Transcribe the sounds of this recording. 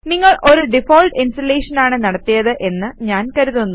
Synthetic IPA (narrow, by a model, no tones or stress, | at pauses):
niŋːɐɭʔo̞ɾuɖifoːlʈinsʈɐleːʂɐnaːɳɨnɐɽɐt̪ːijɐðɨʔe̞nːɨɲaːnkɐɾuðunːu